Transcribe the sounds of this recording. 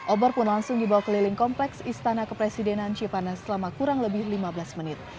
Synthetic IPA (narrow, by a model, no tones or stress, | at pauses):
ʔɔbɔrpʊnlaŋsʊŋdibawakəlilɪŋkɔmplɛksist̪anakəpɾesidɛnant͡ʃipanasəlamakuɾaŋləbɪhlimabəlasmənɪt̪̚